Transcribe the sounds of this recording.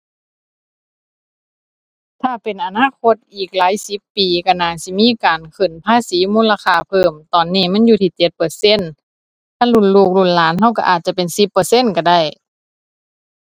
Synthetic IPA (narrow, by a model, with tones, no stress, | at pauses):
t̪ʰaː˧˩pe˨nʔa˨˩naː˧˥˨kʰo˧˥t̪̚ʔiː˨˩k̚laː˨˦jsi˧˦pːiː˨˩ka˧˩naː˧˩si˧˦miː˧˥˨kaː˨nkʰɯ˧˩˨npʰaː˧˥˨siː˨˦muː˧˥˨laː˧xʰaː˧˩pʰɤː˧˩mt̪ɔː˨˩nːiː˧˩˨ma˧˥˨njuː˧t̪ʰiː˧˩t͡ɕe˧˦t̪̚pɤː˨˩se˧˥˨n | t̪ʰa˧˩˨lu˧˥˨nluː˧˩k̚lu˧˩nlaː˨˦nha˧˩˨wka˧ʔaː˨˩t̪̚t͡ɕa˧pe˨nsi˧˦pːɤː˨˩se˧˥˨nka˧˩da˧˩j